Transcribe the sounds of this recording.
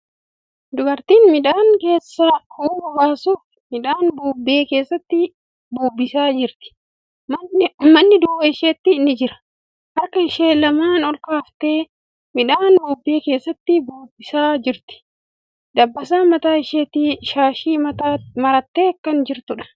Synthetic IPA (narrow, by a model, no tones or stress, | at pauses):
d̪ʊɡɐɾt̪iːnmɪᶑaːŋke̞ːsːɐhuːɐbaːsuːf | mɪᶑaːnbuːbe̞ːke̞ːsːɐt̪ːɪ | buːbːɪsaːd͡ʒɪɾt̪ɪ̥ | mmɐnːɪd̪uːwɐɪʃeːt̪ːɪnːɪd͡ʒɪɾɐ̥ | ʔɐɾkɐɪʃeːlɐmaːnɔlkaːft̪e̞ː | mɪᶑaːnbuːbːe̞ːke̞ːsːɐt̪ːɪbuːbːɪsaːd͡ʒɪɾt̪ɪ̥ | d̪ɐbːɐs̬aːmɐt̪aːɪʃeːt̪ːiʃaːʃiːt̪amɐɾɐt̪ːe̞ːkːɐnd͡ʒɪɾt̪ʊᶑɐ̥